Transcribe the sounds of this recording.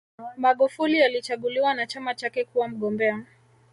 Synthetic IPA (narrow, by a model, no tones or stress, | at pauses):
maɠufulialit͡ʃaɠuliwanat͡ʃamat͡ʃakɛkuwam̩ɠɔmbɛa